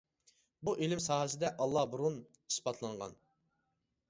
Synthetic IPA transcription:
buʔelɪmsɑːɦɨs̬ɪd̪ɛʔɑlˠːɑhbuɾun | i̥spɑt̪ʰlˠɑɴʁɑ̰n

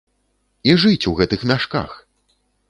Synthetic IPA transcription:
iʐɨt͡sʲuɣɛt̪ɨxmʲaʂka̰x

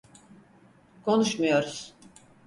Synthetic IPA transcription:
kʰo̞nuʃmujo̞ɾuz̥

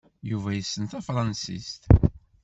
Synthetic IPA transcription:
juvæjəsːənt̪æfɾˤɑnsḭst̪

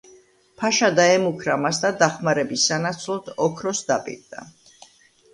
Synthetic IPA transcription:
pʰaʃad̪aɛmukʰɾamasd̪ad̪aχmaɾɛbisːanat̪sʰlˠɔd̪̥ɔkʰɾɔsd̪apʼḭɾd̪a̰

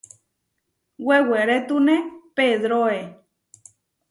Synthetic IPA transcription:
wewʷeɾet̪unepeðɾoe

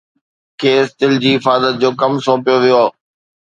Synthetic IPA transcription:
keːsd̪ɪld͡ʑiːɦɪfaːzət̪̚d͡ʑoːkɐmsõːpijoʋijoaː

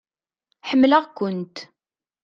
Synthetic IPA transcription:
ħəmːləʁkʷʊnt̪

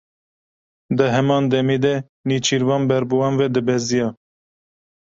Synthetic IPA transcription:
d̪ɨɦɛmɑːnd̪ɛmeːd̪ɛ | niːt͡ʃʰiːɾvɑːnbɛɾbuwɑːnvɛd̪ɨbɛzijɑː

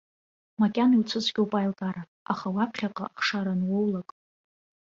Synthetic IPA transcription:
makʲʼaniwt͡sʰɨt͡sʰʼkʲʼowpʼajlkʼaɾa | aχawapʰχʲaqʼa̰ʂaɾanwowlakʼ

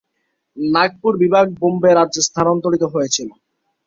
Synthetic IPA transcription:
naɡ̚puɾbibʱaɡ̚bombeɾadd͡ʑest̪ʰanɔnt̪oɽit̪oɦojet͡ɕʰilo

